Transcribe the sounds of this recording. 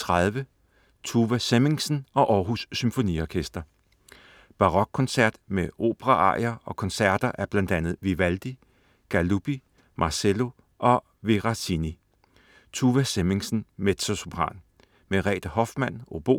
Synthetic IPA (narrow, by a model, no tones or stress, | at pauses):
t͡sʰʁɑðˠʋə | t͡sʰuʋæseme̝ŋsn̩ɒ̽ʔɒːɦusːymfo̝nḭɒkʰesd̥ɐ | b̥ɑ̈ʁɒ̽ɡ̥̚kʰɒ̽nsæɐ̰d̥meo̝̰ːb̥əʁɑʔɑ̰̈ɪ̰ɐɒ̽kʰɒ̽nsæɐ̰d̥ɐʔæɐb̥lænd̥ænð̞̩ˠʋiʋæld̥i | ɡ̥ælub̥i | mʔɑ̈selo̝ | ʔɒ̽ | ʋe̝ʁɑsʰini | t͡sʰuʋæsemeŋsn̩med̥so̝sob̥ʰʁɑ̰̈ːn | meʁɛ̰ːd̥ɐhɒ̽fd̥mæn̰o̝b̥o̝̰ː